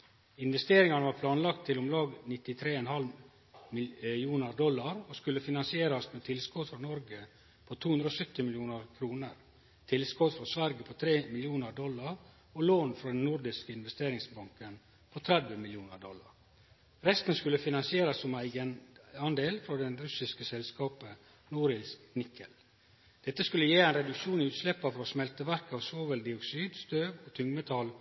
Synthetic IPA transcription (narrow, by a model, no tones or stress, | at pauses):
ɪnʋɛst̪eːɾɪŋɑnəʋɑːɾpʰlɑːnlɑk̚t̪ʰːɪlɔmlɑːɡnɪt̪ɪt̪ʰɾeːɛnhɑl | mɪuːnəɾd̪ɔlːɑɾoskʉlːəfɪnɑnsɪeːɾɑsmɛːt̪ʰɪlskɔd̪fɾɑnɔɾɡə | pʰot̪ʰuːʉnd̪ɾɔːsœt̪ːɪmɪljuːnəɾkʰɾuːnəɾ | t̪ʰɪlskɔt̪fɾɔsʋæɾɡəpʰɔt̪ʰɾeːmɪljuːnəɾɖ̪ɔlːɑɾ | ɔloːnfɾɑd̪ɛnːʊɾd̪ɪskəɪnʋɛst̪eːɾɪŋsbɑŋkən | pʰɔt̪ʰɾæd̪ʋəmɪljuːnəɾɖɔlːɑ̰ɾ | ɾɛst̪nskʉlːəfɪnɑnsɪeːɾɑsːɔmæɪɡənɑnd̪eːlfɾɔd̪ɛnɾʉsɪskəsɛlskɑːpə | nuːɾɪsnɪkʰːəl | d̪̥ɛt̪ːəskʉlːəjeːæɪnɾɛd̪ʉkʂuːnɪʉːt̪slɛpːɑfɾɔsmɛlt̪əʋæɾkɑʋsoːʋəld̪ɪɔksyːd̪st̪øːʋɔt̪ʰʏŋmət̪ʰɑl